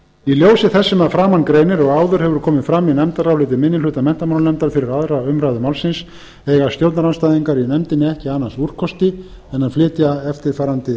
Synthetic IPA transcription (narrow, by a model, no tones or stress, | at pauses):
iljoːwsɪθɛsːɪmaðfɾaːmankɾejnɪɾɔɣaːwðʏɾ̥hɛvʏɾ̥kʰɔːmɪðfɾamːinɛmt̪aɾawlɪːt̪ɪmɪnːɪlʏːt̪amɛn̥t̪amannɛmt̪alfɪɾɪɾaðɾaʏmɾajðʏmaːwlsɪns | ɛɣast̪jowt̪naɾawnst̪aːjðiŋkaɾinɛmt̪ɪnːɪɛhcɪaːnːasur̥kʰɔst̪ɪ | ɛnanflɪːt̪jaɛft̪ɪɾ̥faːɾant̪ɪ